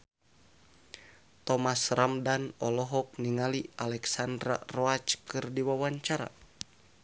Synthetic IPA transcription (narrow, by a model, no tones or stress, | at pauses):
t̪ɔmasramdanɔlɔɦɔk̚niŋalialɛksandɾa̰rɔat͡ʃkɨrdiwawaɲt͡ʃaɾa̰